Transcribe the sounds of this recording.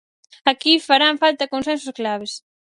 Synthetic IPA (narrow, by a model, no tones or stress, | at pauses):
akifaɾaɱfalt̪ɐkonsɛnsosklaβ̞es